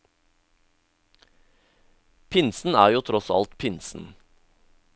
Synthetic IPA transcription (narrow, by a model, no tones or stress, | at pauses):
pʰɪnsn̩æːɾjuːt̪ʰɾɔsɑ̰lt̪pʰɪnsn̩